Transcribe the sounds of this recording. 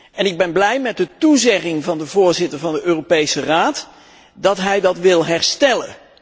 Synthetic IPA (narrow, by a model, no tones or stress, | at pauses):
ɛnɪɡ̚bɛnblɛjmɛt̚dətuzɛχɪŋvɑndəvʊːɹzɪtəɹvɑndəʔøːropejsəraːt | dɑtɦɛjdɑtʋɪlˠɦɛɹstɛlə̰n